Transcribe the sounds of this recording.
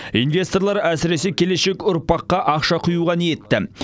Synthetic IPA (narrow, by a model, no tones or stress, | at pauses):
invʲe̞st̪o̞rlˠɑɾæsɪɾe̞se̞kʲʰe̞le̞ʃe̞kʊɾpɑqːɑʔɑqʃɑqʰʊjuʁɑnije̞t̪ːɪ